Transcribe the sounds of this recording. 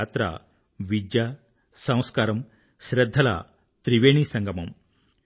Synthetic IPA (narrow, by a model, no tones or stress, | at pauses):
t̪ɾa̰ | ʋid͡ʒja | sɐ̃w̃skaːɾɐm | ʃɾɐd̪ʱːɐla̰ | t̪ɾiʋeːɳisɐŋɡɐmɐm